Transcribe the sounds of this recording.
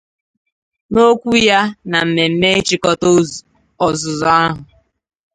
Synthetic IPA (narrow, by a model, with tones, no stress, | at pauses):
no˦kʷu˦ja˦na˨m̩˨me˨m̩˨me˦e˦t͡ʃi˦kɔ˦to˦ | ɔ˨zʊ˨zɔ˨a˦ɦʊ˨